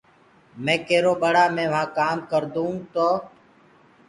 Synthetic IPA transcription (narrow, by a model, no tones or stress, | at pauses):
mẽːkeːɾoːɓəɽaːmẽːʋ̤ãːkaːmkəɾd̪ũːt̪oː